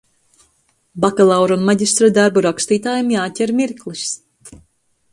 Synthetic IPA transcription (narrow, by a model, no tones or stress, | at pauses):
bakalˠawɾunmaɟʲist̪ɾad̪aɾbuɾakst̪iːt̪aːjimjaːcʲɛɾmiɾklˠis